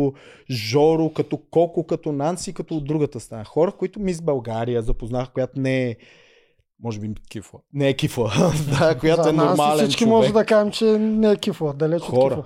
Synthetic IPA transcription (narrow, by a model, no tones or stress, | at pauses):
ʒɔɾʊkɐt̪ɔkɔkʊkɐt̪ɔnant̪sikɐt̪ɔːd̪ːɾuɡət̪əst̪ɾɐnaxɔɾəkoit̪ʊmizbɐlˠɡaɾijəzɐpoznaxkojat̪onɛɛ | mɔʒɛbikʲifˠənɛɛkiflˠəd̪akojat̪ɛnoɾmalɛsint͡ʃkkimɔʒɛd̪ɐkaʒɛmt͡ʃɛnɛɛkiflˠəd̪ɐlɛt͡ʃxɔɾə